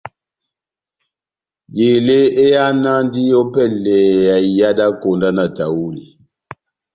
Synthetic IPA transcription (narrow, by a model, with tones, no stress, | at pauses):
be˨le˦e˦ja˦na˦ndi˦jɔ˦pɛ˦˨lɛ˨ja˨i˨ja˦da˦ko˨nda˦na˨ta˨wu˦li˨